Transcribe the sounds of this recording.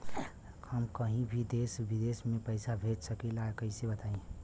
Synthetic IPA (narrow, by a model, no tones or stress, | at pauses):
həmkəɦĩbʱid̪eːsʋid̪eːsmẽpəɪsabʱed͡ʒsəkelaːjkəisebət̪aːẽ